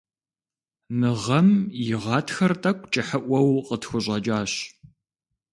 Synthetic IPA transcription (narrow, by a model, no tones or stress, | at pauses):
mɨʁɐmjɪʁɑːtʰxɐrtʼɐkʷʰʼt͡ʃʼɪħəʔʷɐwqʼətxʷʊɕʼɐd͡ʒʼaːɕ